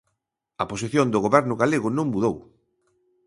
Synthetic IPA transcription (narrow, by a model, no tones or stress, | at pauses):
ɐposiθjond̪ʊɣoβɛɾnʊɣaleɣʊnõŋmuðow